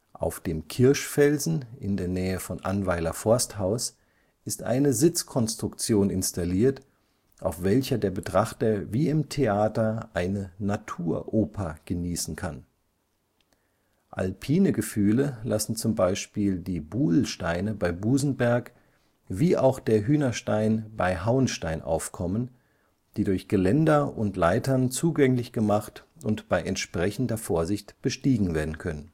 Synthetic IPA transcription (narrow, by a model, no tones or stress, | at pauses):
ʔa̰ʊfd̥eːmkʰɪɐʃfɛlzn̩ɪndeːɐnɛːəfɔnʔa̰nvaɪlɐfɔɐsthaʊs | ʔɪstʔa̰ɪnəzɪt͡skʰɔnstʁ̥ʊkt͡sjoːnɪ̰nstaliːɐt | ʔa̰ʊfv̥ɛlçɐdeːɐbətʁ̥aχtɐviːɪmtʰeaːtɐʔaɪnənatʰuːɐʔoːpʰaɡ̥əniːsn̩kʰan | ʔa̰lpʰiːnəɡəfyːləlasn̩t͡sʊmbaɪʃpiːldiːbuːl̩ʃtaɪnəbaɪbuːzn̩bɛɐk | viːʔa̰ʊxd̥eːɐɦyːnɐʃtaɪnbaɪɦaʊənʃtaɪnʔa̰ʊfkʰɔmən | d̥iːdʊɐçɡ̥əlɛndɐʔʊntlaɪtɐnt͡suːɡɛŋlɪçɡ̥əmaχt | ʊntb̥aɪʔɛntʃpʁ̥ɛçn̩dɐfoːɐzɪçtb̥əʃtiːɡŋ̩veːɐdn̩kʰœnən